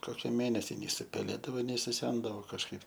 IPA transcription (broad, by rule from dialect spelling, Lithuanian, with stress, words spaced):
ˈkoːkʲɪ ˈmʲeːnʲɛsʲɪ nʲɛɪ sʊpʲɛˈlʲeːdɐʋoː nʲɛɪ sʊˈsʲɛndɐʋoː kɐʃˈkɐɪp